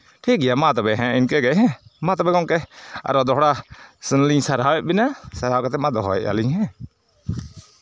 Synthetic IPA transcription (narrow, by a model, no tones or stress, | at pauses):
ʈʰiːk̚ɡɪjamãt̪̬ɔbɛɦɛ̃ɪnkɛɡɛɦɛ̃mãt̪̬ɔbɛkɔŋkɛa̰ɾɔd̪ɔɦɽasənlĩsəɾawɛbɪnasəɾaːkat̪ɛmãd̪ɔɦɔɛ̰ʔa̰liɦɛ̃